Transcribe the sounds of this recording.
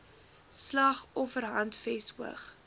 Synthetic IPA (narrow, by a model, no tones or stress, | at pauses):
slɐχɔfərɦɐntfɛsuə̰χ